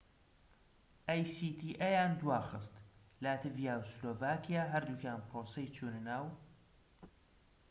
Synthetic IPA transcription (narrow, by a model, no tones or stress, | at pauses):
ʔaːjsit̪ʰiːʔɛjaːnd̪waːxɨst̪laːt̪ʰɨvijaːwsloːvaːkʰijaːɦɐɾd̪uːkjaːnpʰɾoːsejt͡ʃʰuːnɨnaːw